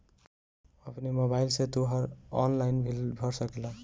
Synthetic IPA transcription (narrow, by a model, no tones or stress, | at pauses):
ʌpʰnemobailset̪oɦʌɾɔ̰nlajnbʱilbʱʌɾsʌkela